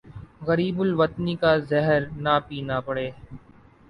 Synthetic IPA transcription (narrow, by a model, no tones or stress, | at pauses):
ɣəɾiːbʊlʋət̪niːkaːzɛɦəɾnaːpiːnaːpəɽeː